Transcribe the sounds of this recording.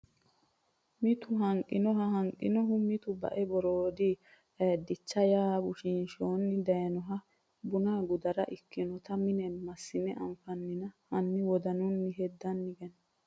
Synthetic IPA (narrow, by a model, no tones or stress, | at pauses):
mɪt̪ʊɦɐŋkʼːɪnɔɦɐɦɐŋkʼːɪ̰nɔɦʊmɪt̪ʊbɐ̰ʔɛbɔɾoːd̪i | d̪ɪt͡ʃːɐjaːbʊʃinʃoːnːɪd̪ɐjɐnɔɦɐ | bʊnaːɡʊd̪ɐɾɐʔɪkːɪnɔt̪ɐmɪnɛmɐsːɪmɛʔɐɱfɐnːɪnɐhɐnːɪwɔd̪ɐnʊnːɪɦɛd̪ːɐnːɪɡɛn